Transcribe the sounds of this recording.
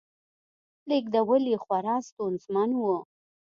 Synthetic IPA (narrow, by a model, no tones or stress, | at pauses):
lek̚d̪əwəlixwaɾɑst̪unzmanwu